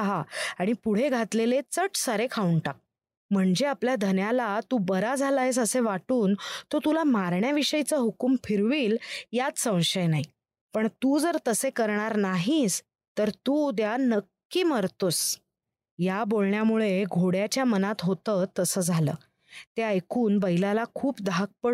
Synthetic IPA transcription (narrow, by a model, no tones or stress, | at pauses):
ɦaaɽ̃ipuɽ̤eɡʱat̪lelet͡səʈsəɾekʰauɳʈak̚ | m̤əɳd͡zeapljad̪ʱənjalat̪uːbəɾad͡zʱalaɦes̬əseʋaʈuːnt̪ot̪ulamaɾɳjaʋiɕəjt͡səɦukumfʰiɾʋiːljat͡ssə̃w̃ɕəjnaɦi | pəɳt̪uːd͡zəɾt̪əsekəɾɳaɾnaɦis | t̪əɾt̪ud̪janəkːiːməɾt̪os | jabolɳjamuɭeɡʱoɽjat͡ɕjamənat̪ɦot̪ət̪ːəsəːd͡zʱalə̰ː | t̪eəjkuːnbəilalakʰuːpd̪ʱak̚pə